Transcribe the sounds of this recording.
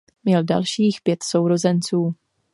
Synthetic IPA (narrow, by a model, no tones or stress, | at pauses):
mɲɛlda̰lʃiːxpjɛt̪sowɾo̞zɛnt͡suː